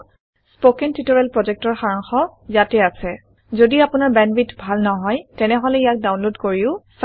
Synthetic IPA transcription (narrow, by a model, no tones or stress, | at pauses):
spokɛntʰitɔɹɛlpɹɔzɛk̚tɔɹxaɹaŋxɔzatɛasɛ | zodiapʊnaɹbɛnbitbʱalnɔɦɔjtɛnɛɦɔlɛijak̚dawnlodkoɹiʊs